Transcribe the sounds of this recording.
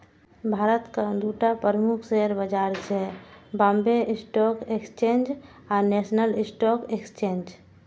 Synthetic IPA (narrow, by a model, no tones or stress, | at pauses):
bʱaːɾət̪kad̪uːʈapəɾəmukʰseɦəɾbəd͡ʒaːɾt͡ʃɛbãmbeʔɪsʈɔkekst͡ʃẽːnd͡ʒ | aːɾnesnəlɪsʈɔːkekst͡ʃẽːnd͡ʒ